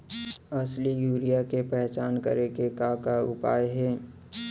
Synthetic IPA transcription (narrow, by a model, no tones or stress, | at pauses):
ɐslijuːɾijakepɛɦt͡ʃaːnkɐ̰ɾekekaːkaʊpaːjɦɛː